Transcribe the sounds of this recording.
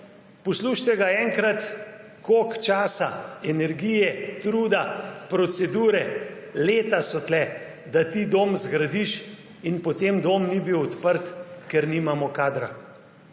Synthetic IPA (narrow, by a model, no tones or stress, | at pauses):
pɔsluʃt̪ɛɡaɛŋkɾat̪ | kokt͡ʃaːsaɛnɛɾɡijɛt̪ɾuːd̪apɾɔsɛd̪uːɾɛ | leːt̪asɔt̪lɛ | d̪at̪id̪oːmzɡɾad̪iʃ | inpɔt̪eːmd̪oːmnibiwɔt̪pəɾt̪kɛɾnimamɔkaːd̪ɾa